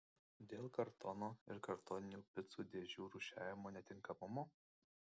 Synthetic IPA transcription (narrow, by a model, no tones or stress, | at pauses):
d̪ʲeːlˠkɐɾt̪ʰɔnoːɪɾkɐɾt̪ɔːnʲɪnʲuːpʲɪt̪suːd̪ʲeːʒʲuːɾʊʃʲæːʋʲɪmoːnʲɛt̪ʲɪŋkɐmʊmoː